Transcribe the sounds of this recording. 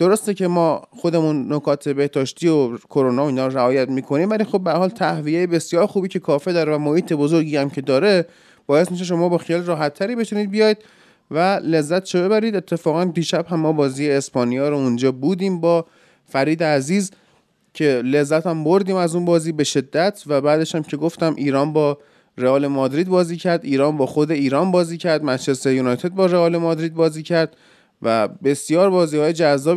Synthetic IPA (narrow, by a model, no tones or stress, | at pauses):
d̪̥oɾost̪ece̞mɒːxod̪e̞munːokʰɒːt̪ʰe̞be̞hd̪ɒːʃt̪ʰiːokʰoɾonɒːiːnhɒːɾoɾæɒːjæt̪miːkʰo̞niːmvæliːxobːeæɾhɒːlt̪ʰæhvijejebe̞sjɒːɾxuːbiːcʰe̞kʰɒːfed̪ɒːɾevæmohiːt̪ʰe̞bo̞zoɾɟiːhæmcʰe̞d̪ɒːɾe̞ | b̥ɒːjesmiʃ̬eʃ̬o̞mɒːbɒːxijɒːliɾɒːɦæt̪ʰːæɾiːbe̞t̪ʰuniːd̪̚bijɒːjd̪̚ | væle̞zːæt̪ʃobe̞bæɾiːd̪e̞t̪ʰːe̞fɒːɣænd̪iːʃæbhæmːɒːbɒːziːjeːspɒːnijɒːɾound͡ʒɒːbuːd̪iːmbɒː | fæɾiːd̪eæziːz | cʰele̞zːæt̪ʰæmboɾd̪iːmæzunbɒːziːbe̞ʃe̞d̪ːæt̪ʰvæbæːd̪e̞ʃhæmcʰe̞ɡo̞ft̪æmʔiːɾɒːnbɒː | ɾeɒːle̞mɒːd̪ɾiːd̪̚bɒːziːcʰæɾd̪iːɾɒːnbɒːxod̪e̞iːɾɒːnbɒːziːcʰæɾd̪mæd͡ʒlesejunɒjt̪ʰe̞d̪̚bɒːɾeɒːlemɒːd̪ɾiːd̪̚bɒːziːcʰæɾd̪̚ | væbe̞sjɒːɾbɒːziːhɒːjed͡ʒæzːɒː